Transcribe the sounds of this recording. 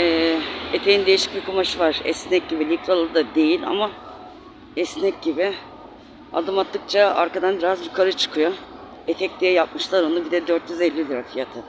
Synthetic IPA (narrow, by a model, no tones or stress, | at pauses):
ɛːet̪ʰe̞jind̪e̞jiʃi̥c̚bikʰumaʃɯvaɾ̥ɛ̰snɛc̚ɟibilʲiklʲˠalˠɯd̪ad̪e̞jilʲa̰ma | ɛsnɛc̚ɟibɪ | a̰d̪ɯmat̪lːˠɯk̚t͡ʃʰaa̰ɾkad̪anbiɾazjukʰaɾɯt͡ʃʰɯ̥kʰɯjo | et̪ʰɛc̚d̪ijɛjap̚mɯʃlˠaɾond̪ubid̪ɛd̪øɾt̪jyzɛlʲːilʲiɾafijat̪ʰɯ